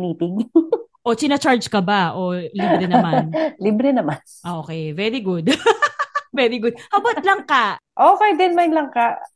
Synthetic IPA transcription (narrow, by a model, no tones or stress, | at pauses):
niːpɪɡʔot͡ʃ̪ɪnɐt͡ʃaɹd͡ʒkɐbaʔolibɾɛnɐmanlibɾɛnɐmanʔokɛjvɛɾiɡʊd̪̚ | vɛɾiɡʊd̪̚hɐbot̪̚lɐŋkaʔofajd̪ɛnmajnlɐŋka